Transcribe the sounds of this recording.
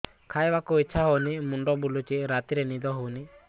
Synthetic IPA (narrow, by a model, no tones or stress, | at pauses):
kʰajbakuit͡ʃʰaɦɔnimuɳɖɔbulut͡ʃiɾat̪iɾenid̪ɔɦɔwni